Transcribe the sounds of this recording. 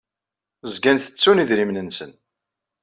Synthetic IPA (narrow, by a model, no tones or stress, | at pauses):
zɡænθə̥t͡sːuniðɾimnənsən